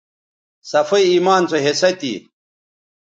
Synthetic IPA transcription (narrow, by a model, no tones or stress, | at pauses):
sɐfɐiiːmaːnt͡soɦesɐt̪ḭ